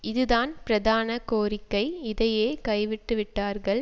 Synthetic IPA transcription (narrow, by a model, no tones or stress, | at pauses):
ɪðɯðaːnpɪɾɐðaːnɐkoːɾɪkːɐɪɪðɐjeːkɐɪʋɪʈːɯʋɪʈːaːɾɣɐɭ